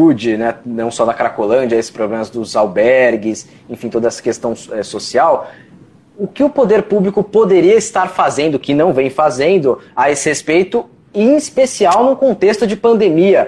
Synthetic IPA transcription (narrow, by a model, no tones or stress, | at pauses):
ud͡ʒɪnɛnɐ̃w̃sɔd̪ɐkaɾakolɐ̃nd͡ʒɐesɪ̥spɾoblẽmɐzd̪ʊzawbɛɾɡɪs | ẽfĩt̪od̪ɐɛsɐ̥kest̪ɐ̃w̃ɛsosiaw | ʊkɪʊpod̪eɾpublikʊpod̪eɾiɐɪst̪aɾfazẽnd̪ʊkɪnɐ̃w̃vẽj̃fazẽnd̪ʊaesɪhespejt̪ʊ | ĩspesiawnʊ̃kõnt̪est̪ʊd͡ʒɪpɐ̃d̪emiɐ